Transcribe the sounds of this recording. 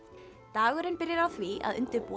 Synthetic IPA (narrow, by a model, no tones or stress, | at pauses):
t̪aːɣʏɾɪnpɪɾjɪɾawθvia̰ðʏ̰nt̪ʏpɔ